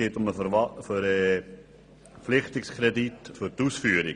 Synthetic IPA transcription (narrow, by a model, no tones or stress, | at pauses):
eːtʊməfəɑfəɾə | pflɪχtɪkskʰrɛditfʏɾtusfyːɾi